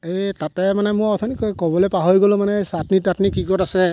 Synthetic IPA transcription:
etatɛmanɛmʊ̃ɔtʰɔnikɔjkɔbɔlɛpaɦɔjɡɔlʊ̃manɛsatnitatnikiɡɔtasɛ

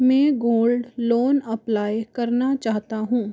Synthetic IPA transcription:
mɛ̃ːɡoːlɖloːnɐplaːekɐɾnat͡ʃaːɦt̪aɦũː

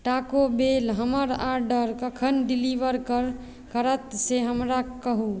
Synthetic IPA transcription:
ʈakobelɦəməɾaɾɖəɾkəkʰənɖiliʋəɾkəɾ | kəɾət̪seɦəmɾakəɦu

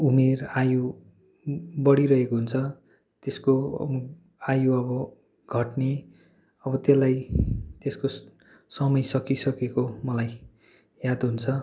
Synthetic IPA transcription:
umeraju | bʌɽiɾʌɦekoɦunt͡sʰʌ | t̪esko̰ | ajuʌbʌ | ɡʱʌʈne | ʌbʌt̪elajt̪esko | sʌmʌjsʌkisʌkekomʌlaj | jad̪ɦunt͡sʰʌ

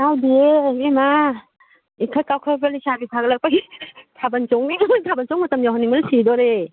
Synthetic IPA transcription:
awdiemema | ikʰajkawkʰɯbelisabipʰaɡlak̚paitʰabant͡ʃɔŋniŋamntʰabant͡ʃɔŋmatamjaɦaniŋmaɾsidɔɾe

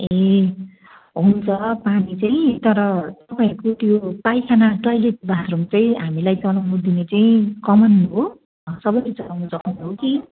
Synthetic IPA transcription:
e | ɦunt͡sʰʌpanit͡saj̃ĩt̪ʌɾʌt̪ʌpaiʌɾkot̪jopajkʰanaʈʌjleʈ̚bat̪rumt͡saĩɦamilajt͡sʌlawnud̪inet͡saĩkʌmʌnɦo | sʌbʌjlet͡sʌlawnut͡sʌkʰawnɦoki

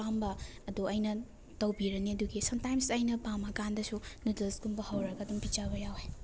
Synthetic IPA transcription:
ambɐɐduɐjnɐ | tɐwbiɾɐniɐduɡisɐmtajmsɐjnɐpamːɐkandɐsunudɐskunbɐhɐwɾɐɡɐːdumpit͡ʃabɐjawhe

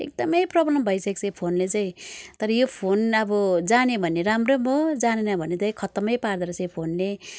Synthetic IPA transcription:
ḛk̚d̪ʌmʌjprʌblʌmbʱʌjsʌk̚t͡sʰʌpʰonlet͡saĩt̪ʌɾʌjopʰonʌbʌd͡zanebʱʌnːeɾamromod͡zanenʌbʱʌnːet͡saĩkʰʌt̪ʌmʌjpard̪ʌɾʌsʰajpʰonle

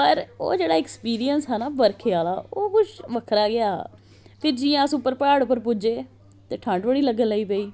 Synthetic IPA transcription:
pəɾo̰ːd͡ʒeːɽaːɪkspiːɾijənsɦɛːnaːʋəɾkʰeaːla̰ːoːkʊt͡ʃʰʋəkʰɾaːɡɪaː | pʰɪɾd͡ʒijãːəsʊpːəɾpaːɽʊpːəɾpʊd͡ʒeː | t̪eːʈʰə̃ɳɖʋəɽiːləɡənləiːpəiː

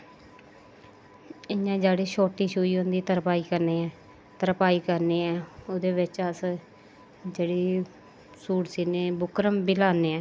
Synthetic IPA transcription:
ɪjãːd͡ʒaːɽiːʃoːʈiːʃuːiːɦõːnd̪iːt̪əɾpaːiːkəɾneːɛː | t̪əɾpaːiːkəɾneːɛːod̪eːʋɪt͡ʃəs | d͡ʒeːɽiː | suːʈsiːneːbʊkɾəmbɪlaːneːɛː

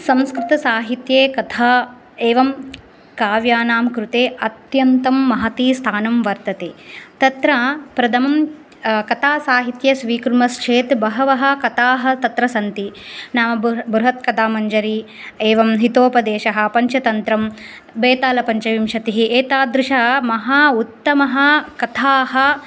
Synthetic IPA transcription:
sɐ̃mskɾɪt̪ɐsaːɦit̪jeːkɐt̪ʰaː | eːʋɐm | kaːʋjaːnaːmkɾut̪eːɐt̪jɐnt̪ɐmːɐɦɐt̪iːst̪ʰaːnɐmʋɐɾt̪ɐt̪ḛːt̪ɐt̪ɾapɾɐd̪ʰʱɐmɐm | kɐt̪aːsaːɦit̪jɐsʋiːkɾumɐst͡ʃʰeːt̪bɐɦɐʋɐɦɐ̆kɐt̪aːɦɐ̆t̪ɐt̪ɾɐsɐnt̪inaːmɐbɾuɦɐt̪kɐt̪aːmɐɲd͡ʒɐɾi | eːʋɐmɦit̪oːpɐd̪eːʃɐɦɐ̆pɐɲt͡ʃɐt̪ɐnt̪ɾɐm | beːt̪aːlɐpɐɲt͡ʃɐʋimʃɐt̪iɦiʔeːt̪aːd̪ɾɪʃɐɦɐmɐɦaːut̪ːɐmɐɦɐ̆kɐt̪ʰaːɦɐ̆

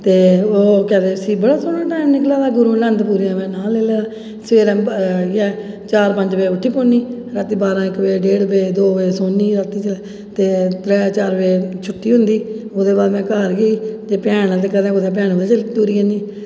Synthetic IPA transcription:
t̪eːoːkɛ̃ːd̪eːsiːbəɽaːsoːnaːʈɛːnnɪklaːd̪aːɡʊɾuːlənd̪puːɾjãːʋɛ̃ːnaːlːeːleːd̪aː | seːɾɛ̃ːɛː | t͡ʃaːɾpə̃ɲd͡ʒbeːʊʈʰːiːpõːniː | ɾət̪ːiːbaːɾãːɪkʋeːɖeːɽbeːd̪oːʋeːsoːniːɾət̪iːt͡ʃəlɛː | t̪eːt̪ɾɛːt͡ʃaːɾʋeːt͡ʃʰʊʈʰːiːɦʊnd̪iːoːd̪eːbaːd̪mɛ̃ːkaːɾɡiːd͡ʒeːpɛːnãːt̪eːkəːd̪ẽːʊd̪eːp̬ɛːnːeːt͡ʃlt̪uːɾiːəniː

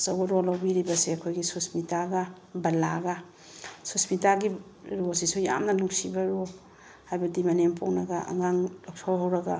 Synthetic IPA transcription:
sawɡaɾolawbiɾibɐseɐkʰojɡisusmitaɡa | bɐlaɡa | susmitaɡi | ɾosisuja̰mnɐnuksibɐɾo | hajbadimanempoŋnaɡaʔɐ̰ŋaŋlɔk̚tʰawɦawɾɐɡa

